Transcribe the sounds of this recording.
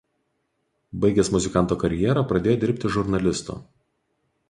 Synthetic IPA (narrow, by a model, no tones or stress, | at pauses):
bɐɪɡʲɛsmʊzʲɪkɑˑnt̪oːkɐɾʲjɛɾɐpɾɐd̪ʲeːjoːd̪ʲɪɾʲpʲt̪ʲɪʒʊɾnɐlʲɪst̪ṵː